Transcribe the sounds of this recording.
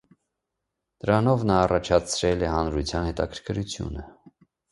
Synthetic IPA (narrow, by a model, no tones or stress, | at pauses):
d̪̥əɾɑnɔvnɑːrɑt͡ʃʰɑt͡sʰɾɛlɛhɑnɾut͡sʰjɑnhɛt̪ɑkʰəɾkʰəɾut͡sʰjṵnə